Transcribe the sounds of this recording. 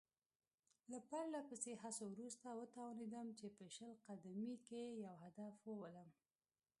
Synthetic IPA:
lapaɾlapəseɦasowɾust̪awət̪awned̪əmt͡ʃepəʃəlqad̪amikejawhad̪afwəwələm

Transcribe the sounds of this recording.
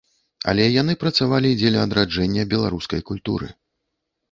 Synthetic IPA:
ɐ̰lʲɛjanɨpɾɐt̪savalʲid͡zʲelʲʊɐd̪ɾad͡ʐɛnʲːɐbʲɛlˠaɾuskɐjkulʲt̪ṵɾɨ̰

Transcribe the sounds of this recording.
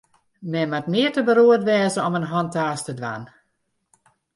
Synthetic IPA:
mɛmatmɪərtəbəɾoətʋɛːzəɔmənɦɔntaːstədʋa̰n

